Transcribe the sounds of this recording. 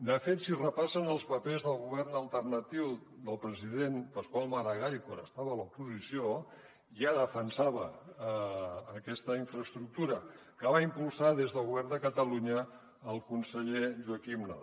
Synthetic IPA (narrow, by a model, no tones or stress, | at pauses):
d̪əfet̪sirəpasənəlˠspəpezðəlˠɣuβ̞ɛrnəlˠt̪ərnət̪iwd̪əlˠpɾəziðenpəskwalˠmaɾəɣajkoɾəst̪aβəːlupuzisio | ʒaðəfənsaβə | kɛst̪əiɱfɾəst̪ɾuk̚t̪uɾə | kəβaimpulˠsaðezðəlˠɣuβɛrnd̪əkət̪əluɲəː | lˠkunsəʎeʒuəkimna̰